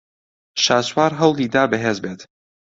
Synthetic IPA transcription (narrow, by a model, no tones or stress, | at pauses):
ʃaːswaːɾɦɐwlˠiːd̪aːbɨɦeːzbeːt̪